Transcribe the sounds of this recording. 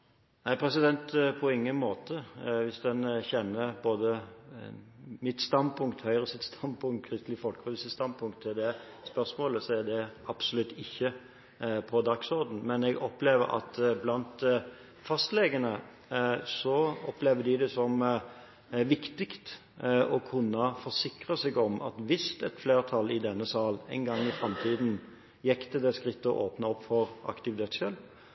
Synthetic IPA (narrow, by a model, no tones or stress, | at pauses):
næɪpʰɾɛsɪd̪ɛnt̪pʰɔɪŋːənmoːt̪ʰəʋɪsd̪ɛnçɛnːəboːd̪ə | mɪt̪st̪ɑnd̪pʰʊŋkt̪hœʏʁəsɪt̪st̪ʰɑnd̪pʰʊŋt̪̚kʰɾɪst̪lɪəfɔlkəpɛʋsəst̪ɑnd̪pʰʊŋkt̪ʰɛd̪ɛ | spœʁsmoːləsɔɛd̪ɛɑb̥sɔlʉt̪ːɪçːə | pʰɔd̪ɑksɔɾd̪n̩mɛnɛɡɔpleːʋə̰ɾɑ̰t̪blɑnt̪ | fɑst̪lɛɡənə | sɔɔpleːʋəd̪ɪd̪ɛsɔm | ʋɪkt̪ɪkt̪ | ɔkʰʉnːəfɔʁsɪkʁəsɛɡɔmɑ̰t̪ʋɪst̪ɛt̪fleːʁt̪ʰɑlːɪd̪ɛnːəsɑːlɛɪnɡɑŋːɪfɾɑmt̪ʰiːd̪n | jɛkt̪əd̪ɛskʁɪt̪ːəɔ̰ʔoːpnəɔpːfɔʁʔɑ̰kt̪ɪʋɪt̪eːt̪sʃøːl